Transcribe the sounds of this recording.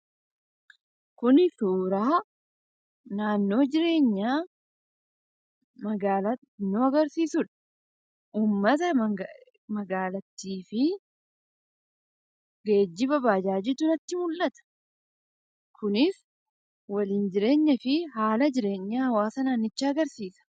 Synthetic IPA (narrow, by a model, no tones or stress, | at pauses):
kʊnɪsuːɾaː | naːnːo̞ːd͡ʒɪɾe̞ːɲːaː | mɐɡaːlɐ | nːoːɐɡɐɾsiːsʊᶑɐ̥ | uːmːɐt̪ɐ | mɐɡaːlɐt̪ːiːfɪ | ɡe̞ːd͡ʒːɪbɐbaːd͡ʒaːd͡ʒɛt̪ːʊnɐt̪ːɪmʊlʔɐt̪ɐ̥ | kʰʊnɪs | wɐliːnd͡ʒɪɾe̞ːɲːɐfɪɦaːlɐd͡ʒɪɾe̞ːɲːaːhɐwaːsɐnaːnːɪt͡ʃːaːɐɡɐɾsiːsɐ̥